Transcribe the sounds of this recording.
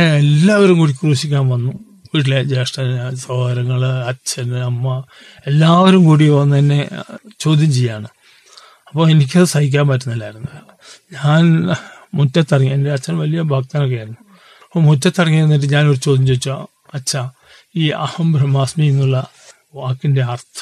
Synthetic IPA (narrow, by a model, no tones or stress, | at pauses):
elːaːʋɐɾumkuːɽikkruːɕikʲːaːnʋɐnːu | ʋiːʈ̬ːile̞d͡ʑe̞ːʂʈɐnsoːɐɾɐŋːɐɭɐt͡ɕʰːɐnɨɐmːɐ | e̞lːaːʋɐɾumkuːɽiʋɐnːɨenːe̞t͡ɕo̞ːd̪ʱjiɐmt͡ɕejːaːɳɨ | ɐpːoːenik̬ʲːɐðɨsɐhik̬ʲːaːnpaːtːunːɐlːaːjɾunːɐð | ɲaːnmutːɐt̪ːɐrɐŋːiendeɐt͡ɕːɐnʋɐlijɐbʱaːk̚t̪aːnok̬ːejaːiɾunːu | ɐpːoːmutːɐt̪ːɐrɐŋːijɐɾunːiʈ̬ːɨɲaːnoɾt͡ɕo̞ːd̪ʱjimd͡ʑoːit͡ɕːu | ɐt͡ɕːɐ | iːɐ̰hɐmbɾɐmaːsmienːuɭːɐ | ʋaːkːinde̞ɐrt̪ʰɐ̥